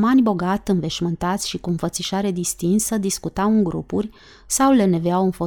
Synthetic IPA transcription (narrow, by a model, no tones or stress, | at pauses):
manʲbo̞ɡat̪ʲɨnve̞ʃmɨnt̪at̪sʲʃikuɨnfət̪siʃaɾe̞d̪ist̪insəd̪iskut̪awɨŋɡɾṵpurʲ | sawle̞ne̞veawɨnfo̞